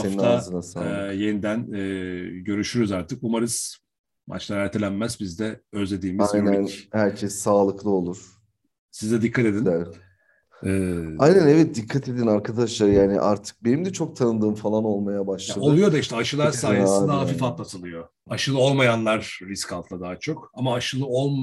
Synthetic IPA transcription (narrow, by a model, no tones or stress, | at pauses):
seninazɯnasaːlˠje̞nid̪ænɛːɟø̞ɾyʃyɾyzaɾt̪ʰɯkumaɾɯz̥ | ma̰t͡ʃlˠaɾæɾt̪ʰelʲænmæzbizd̪ɛøzlʲe̞d̪iːmiajnænhæɾcʰɛsːaːlˠɯklˠɯo̞lˠuɾ̥ | sizd̪ɛd̪ikʰːat̪ed̪ind̪ɛ | ajnænɛvɛt̪̚d̪ikʰːat̪ʰe̞d̪inaɾkʰad̪aʃlˠaɾɯjaːnɪ̰ʔa̰ɾt̪ʰɯ̥k̚be̞nimd̪ɛt͡ʃʰo̞k̚t̪ʰanɯnd̪ɯːmfalˠano̞lˠmajabaʃlˠadolˠujo̞d̪aiʃt̪ɛaʃɯlˠaɾsaːjed̪aɦafifat̪lˠat̪ʰɯlˠɯjo̞ | aʃɯlˠɯo̞lˠmajanlˠaɾːiskʰalˠt̪lˠad̪aːat͡ʃʰo̞kamaːʃɯlˠɯolˠ